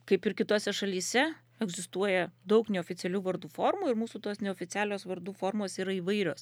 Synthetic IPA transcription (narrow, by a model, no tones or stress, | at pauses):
kɐɪpɪɾkʲɪt̪oːsʲɛʃɐlʲiːsʲɛ | ɛɡzʲɪst̪uɔjɛd̪ɐʊknʲɛoːfʲɪtsʲɛlʲuːʋɐɾd̪uːfoːrmuːɪɾmuːsuːt̪oːsnʲɛoːfʲɪt̪sʲæːlʲoːsʋɐɾd̪uːfoːɾmoːsiːɾɐiːʋɐɪɾʲoːs